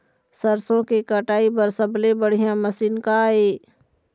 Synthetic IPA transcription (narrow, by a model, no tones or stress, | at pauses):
səɾsõkekəʈaːipəɾsəblebəɽ̤ijãməsiːnkaːeː